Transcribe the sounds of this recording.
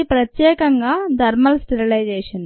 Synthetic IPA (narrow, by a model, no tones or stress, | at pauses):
ipɾɐt̪jeːkɐŋɡaːd̪ʱɐɾmɐlsʈiɾilɐjd͡ʑeːʂɐn